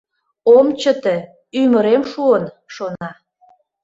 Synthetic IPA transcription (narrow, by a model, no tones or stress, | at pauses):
omt͡ɕə̆t̪e | yməɾemʃuən | ʃonɑ